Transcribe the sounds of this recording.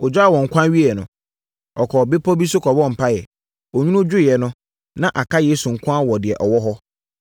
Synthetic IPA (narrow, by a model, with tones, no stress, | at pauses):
ɔ˨d͡ʑᶣa˦a˦˨wɔ̃˨ŋ̩˨kʰʷã˦ɥi˦ɛ˨nʊ̃˨ | ɔ˨kʰɔ˨be˦pʰɔ˦bi˦sʊ˦kʰɔ˨bɔ̃˦˨m̩˨pʰa˦jɛ˨ | o˨ɲᶣũ˦nʊ̃˦d͡ʑᶣʊ˦˨ɛ˨nʊ̃˦ | nã˦ʔa˨kʰa˦jeː˦su˨ŋ̩˨kʷʰã˦wɔ˨dɪ˨ɛ˨ʔɔ˨wɔ˦ɦɔ˦